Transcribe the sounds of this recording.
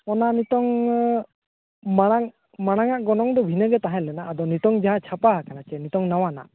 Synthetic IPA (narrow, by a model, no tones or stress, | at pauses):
ɔnanit̪ɔŋ | maɽ̃aŋ | maɽ̃aŋaʔɡɔnɔŋd̪ɔbʱinəɡɛt̪aɦɛ̃lɛnaːd̪ɔnit̪ɔŋd͡ʒaɦãt͡ʃʰapaɦakanat͡ʃɛnit̪ɔŋnawana̰ʔ